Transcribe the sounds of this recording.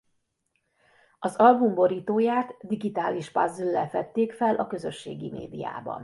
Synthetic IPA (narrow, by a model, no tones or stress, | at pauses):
ɒzɒlbumbo̞ɾiːt̪oːjaːt̪d̪iɡit̪aːliʃpɒzilːɛfɛt̪ːeːkfɛlʔɒkø̞zø̞ʃːḛːɡimḛːd̪ija̰ːbɒ̰n